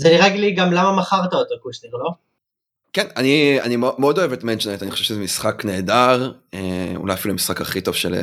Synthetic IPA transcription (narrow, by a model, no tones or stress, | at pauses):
zeniʁeɡliɡamlamamaχaʁt̪aot̪okuʃtiʁlo | kenania̰nimomeod̪o̞evet̪menʃonetaniχo̥vʃezemisχakne̞ːdaʁeṵlajafiluemisχakaχitov̥ʃel̰